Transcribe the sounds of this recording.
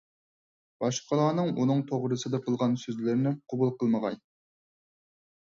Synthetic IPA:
b̥ɑʃqəlˠɑːnɨŋunɨŋt̪ʰoʁɾɨsɨd̪ɨqʰəlˠʁɑnsøzlɪɾnɪqʰobulˠqəlˠməʁɑ̰j̪

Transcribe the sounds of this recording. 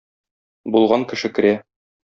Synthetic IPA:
bulˠʁɑŋkɘ̆ʃɘkɘ̆ɾæ

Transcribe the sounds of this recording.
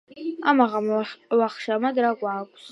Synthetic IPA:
a̰maʁamwaχʃamadraɡʷʼaːkʷʼs

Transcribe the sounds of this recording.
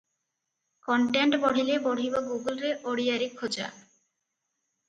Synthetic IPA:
kɔɳʈeɳʈbɔɽ̤ilebɔɽ̤ibaɡuɡulɾeʔoɽiaɾikʰːod͡ʑa̰

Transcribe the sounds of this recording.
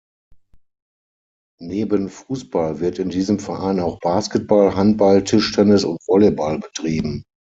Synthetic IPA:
neːbənfuːsb̥alvɪɐtɪndiːzəmfɛɐʔaɪnaʊxb̥aːskət̚b̥alɦant̚b̥altʰɪʃtʰɛnɪsʊntv̥ɔlebalbətʁ̥iːbm̩

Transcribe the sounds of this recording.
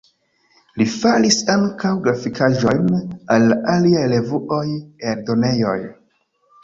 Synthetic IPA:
lifalisaŋkawɡɾafikʰaʒo̞jnalːaʔaliajle̞vuʔo̞jeɾdo̞ne̞jo̞j

